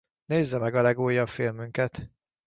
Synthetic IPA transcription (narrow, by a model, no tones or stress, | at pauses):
neːzːɛmɛɡɒlɛɡoːjɒpfilmyŋkɛt̪